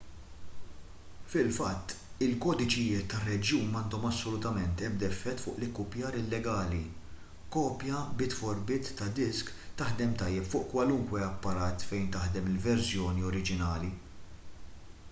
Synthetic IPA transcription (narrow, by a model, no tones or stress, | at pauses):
fɪlfɐt̪ːɪlkɔːd̪ɪt͡ʃɪjɪːt̪ːɐrːɛd͡ʒjuːnmɐːnd̪ɔmɐsːɔlʊt̪ɐmɛnt̪ɛbd̪ɛfːɛt̪ːfʊːʔlɪkːʊpjɐːɾɪlːɛɡɐːli | kɔːpjɐbɪt̪fɔɾbɪːt̪ːɐd̪ɪskt̪ɐħd̪ɛmt̪ɐjːɛpfʊːʔkwɐlʊŋkwɛɐpːɐɾɐːt̪fɛjnt̪ɐħd̪ɛmɪlvɛɾsjɔːniɔɾɪd͡ʒɪnɐːli